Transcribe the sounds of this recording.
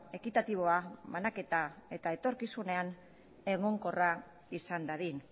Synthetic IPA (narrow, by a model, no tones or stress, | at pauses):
e̞kit̪at̪iβ̞o̞aβanake̞t̪ae̞t̪ae̞t̪o̞ɾkisune̞an | e̞ɣoŋko̞ra | isand̪aðin